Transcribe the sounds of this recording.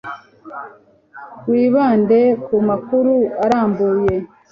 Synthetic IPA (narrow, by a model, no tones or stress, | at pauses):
wiːβaːnde̞kumakuɾuaɾaːmbuːje̞